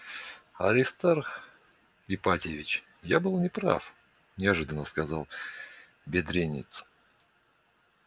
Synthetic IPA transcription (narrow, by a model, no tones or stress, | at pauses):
ɐɾʲɪst̪arxʲ | ɪpatʲɪvʲɪt͡ɕ | jabɨlˠnʲɪpɾa̰f | nʲɪɐʐɨd̪ənəskɐzalˠ | bʲɪd̪ɾʲenʲɪ̰t̪s